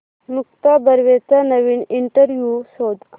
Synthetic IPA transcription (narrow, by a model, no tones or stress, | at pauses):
mukt̪abəɾʋet͡sanəʋiːniɳʈəɾʋjusod̪